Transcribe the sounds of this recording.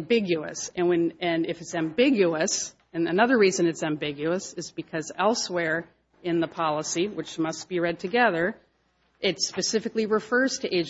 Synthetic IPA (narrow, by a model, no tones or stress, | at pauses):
mbɪɡjʉɨ̰sɨ̃nwɨ̃nɨ̃nɪfɨtsæ̃mbɪɡjʉəs | ɨ̃nɨnʌðə˞ɹizɨ̃nɨtsæ̃mbɪɡjʉəsɨzbɨkʰʌzɛlˠswɛɹ | ɨ̃nðəpʰɑlˠəsiwɨt͡ʃmʌstb̥iɹɛd̚tʰɨɡɛðə˞ | ʔɪtspɨsɪfɨkliɹɨfɜ˞z̥tʰɨʔeɪd͡ʒ